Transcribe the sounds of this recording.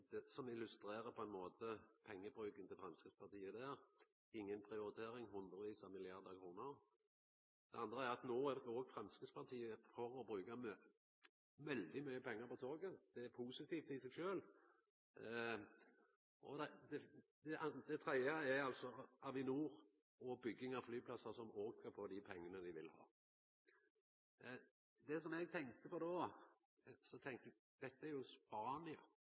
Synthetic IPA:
d̪̥ɛsɔmɪlʉst̪ɾeːɾəpʰɔɛnmoːt̪ʰəpʰɛŋːəbɾʉːkənt̪ʰɪfʁɛmskəspʰɑʁt̪iːəd̪æːɾ | ɪŋːənpʰɾɪʊɾɪt̪ʰeːɾɪŋɦʊnd̪ɾəʋiːsɑmɪlɪɑʁd̪əkʰɾuːnəʁ | d̪̥ɛʔɑnd̪ʁəæɾɑt̪noːædɔːɡfɾɛmskəspʰɑt̪ʰiːəfɔɾɔbɾʉːkɑm | ʋɛld̪ɪmyʏəpʰɛŋːəʁpɔt̪ʰoːɡəd̪̥ɛæɾpʰuːsɪt̪ʰiːft̪ɪsɛɡʃøːl | ʔɔ̰d̪ɛd̪ɛd̪ɛʔd̪ɛt̪ʰɾɛɪɑɛɾɑlsɔɑʋɪnuːʁ | ɔbʏɡːɪŋɑflyːpʰlɑsɑsɔmoːkəɾpʰɔd̪ɪpʰɛŋːənəd̪ɪʋɪlhɑ̰ː | d̪ɛsɔmɛɡ̚t̪ʰɛŋ̚t̪əpʰɔd̪ɔ | sɔt̪ʰɛŋt̪ | d̪̥ɛt̪ːəæɾjʊspɑːnɪɑ̰

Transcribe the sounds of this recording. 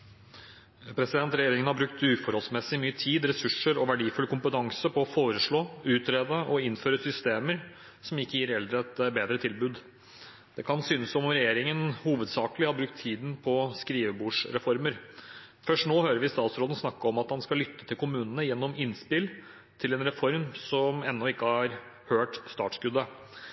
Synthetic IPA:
pʰɾɛsɪd̪ɛnt̪ɾɛjeːɾɪŋənhɑbɾʉk̚t̪ʉːfɔɾhɔlsmɛsːɪmyːət̪ʰiːd̪ɾɛsʉʂəɾɔʋæɖiːfʉlkʰʊmpət̪ʰɑŋsəpʰɔɔfoːɾəʂɭoːʉːt̪ɾeːd̪əʔɔɪnføːɾəsʏst̪eːməɾ | sɔmɪkːəjiːɾɛld̪ɾəɛt̪beːd̪ɾət̪ʰɪlbʉːd̪ | d̪̥ɛkʰɑnsʏːnəsɔmɾɛjeːɾɪŋənhuːʋəd̪sɑːkəlɪhɑɾbɾʉk̚t̪ʰːiːd̪npʰɔskɾiːʋəbuːʂɾɛfɔɾməɾ | fœʂʈnoːhøːɾəɾʋɪst̪ɑːt̪sɾoːd̪n̩snɑkːəɔmɑt̪hɑnskɑlʏt̪ːə̥t̪ʰɪlkʊmʉːnənəjɛnːɔmɪnspɪl | t̪ʰɪlɛnɾɛfɔɾmsɔmɛnːɔɪkːəhɑɾ | høːʈst̪ɑ̰ːʈskʉd̪ːə

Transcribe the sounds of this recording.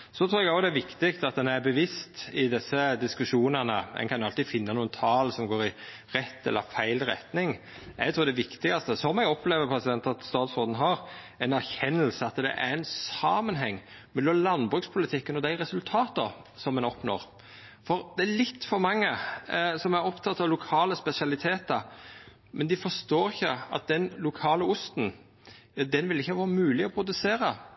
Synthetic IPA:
sɔt̪ʰɾuːɾɛɡɑːd̪ɛæʋɪkt̪ɪkt̪ɑt̪̚d̪ɛnæɾbəʋɪst̪ɪd̪ɪsːəd̪ɪskʉʂuːnənəɛ̰nkʰɑnjʊɑlt̪ɪfɪnːɑnuːənt̪ʰɑːlsɔmɡoːɾɪ | ɾɛt̪ːɛ̰lːə̰ɾfæɪlɾɛ̰t̪nɪŋ | ɛ̰ɡt̪ʰɾuːɾd̪ɛʋɪkt̪ɪɡɑst̪əsɔmɛɡɔpleːʋəɾpʰɾɛsɪd̪ɛnt̪ɑt̪st̪ɑːt̪sʁoːd̪n̩ɦɑɾ | ɛnæɾçɛnːəlsəɑt̪d̪ɛ̰ʔæ̰ɾɛnsɑːmənɦɛŋː | mɛlːɔmlɑnbɾʉkspʰʊlɪt̪ʰɪkːənɔd̪æɪɾɛsʉlt̪ʰɑːt̪ə | sɔmːɛnɔpnɔ̰ɾ | fɔɾd̪̥ɛælɪt̪ːfɔɾmɑŋːəsɔmæɾɔpt̪ʰɑt̪ːɑʋlʊkʰɑːləspɛsɪɑlɪt̪ʰeːt̪əɾ | mʔɛnd̪ɪfɔst̪oːɾɪçːəɑ̰t̪̚d̪ɛnlʊkʰɑːləʊst̪n̩ | ɑd̪ɛnʋɪlɪçːəʋɑːɾəmʉːlɪɔpʰɾʊd̪ʉseːɾɑ

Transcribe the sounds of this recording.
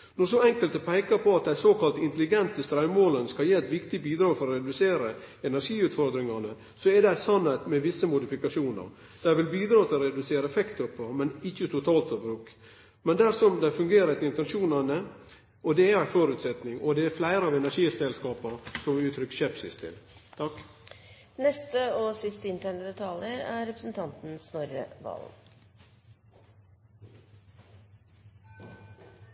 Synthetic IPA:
nɔɾsɔɛŋkəlt̪pʰæɪkɑɾpʰɔɑt̪̚d̪æɪsoːkʰɑlt̪ɪnt̪əlɪɡɛnt̪əst̪ɾɑʉmoːlənskɑljiːɛt̪ʋɪkt̪ɪbiːd̪ɾɑːfɔɾɔɾɛd̪ʉseːɾəɛnæɾʂiːʉːt̪fɔɾd̪ɾɪŋɑnə | sɔɛd̪æɪsɑnhɛt̪mɛʋɪsəmʊd̪ɪfɪkɑʂuːnə̰ɾ | d̪̥æɪʋɪlbiːd̪ɾɑːt̪ʰɪlɔɾɛd̪ʉseːɾəɛfɛkt̪əpːɔmɛnɪçːət̪ʰʊt̪ʰɑːlt̪fɔbɾʉːk | mɛnd̪æɾsɔmd̪æɪfʉŋɡeːɾəət̪ɪɪnt̪ɛnʂuːnənə | ʔɔd̪ɛæɾæfɔːɾʉːt̪sɛt̪nɪŋɔd̪ɛæɾflæɪɾəɑːʋɛnæɾʂiːsɛlskɑːpəɾsɔmʉːt̪ʰɾʏkːɕɛpsɪst̪ʰɪ̰lt̪ʰɑk | nɛst̪əɔsɪst̪əɪnt̪ʰæɳəd̪ɛt̪ʰɑləɾæɾɛpɾə̥sn̩t̪ʰɑnt̪n̩snɔɾə̰ʋɑ̰l

